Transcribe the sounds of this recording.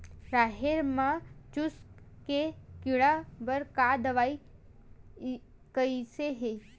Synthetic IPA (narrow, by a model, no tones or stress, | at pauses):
ɾaɦeɾmãt͡ʃuskkekiɭabəɾkad̪əʋai | kəiseɦe